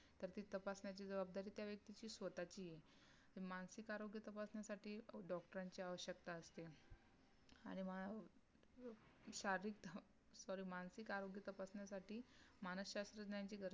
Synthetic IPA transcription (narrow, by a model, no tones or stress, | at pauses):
t̪əɾt̪iːt̪əpasɳjat͡ɕiːd͡zəbab̚d̪aɾiːt̪jaʋjək̚t̪it͡ɕiːsʋət̪at͡ɕiːje | t̪imansikaɾoɡjət̪əpasnjasaʈiːɖɔk̚ʈəɾaɲt͡ɕiːaʋəɕjək̚t̪aəst̪e | aɽ̃imə | ɕaɾɾikt̪ | sɔɾiːmansikaɾoɡjət̪əpasnjasaʈiːmanəsɕast̪ɾəd͡ʑɳjat͡ɕiːɡəɾ